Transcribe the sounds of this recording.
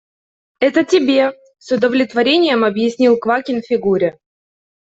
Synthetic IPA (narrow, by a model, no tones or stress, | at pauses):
ɛt̪ətʲɪbʲe̞ | sʲʊd̪əvlʲɪt̪vɐɾʲenʲɪjəmɐbjɪsʲnʲilˠkvakʲɪnfʲɪɡuɾʲɪ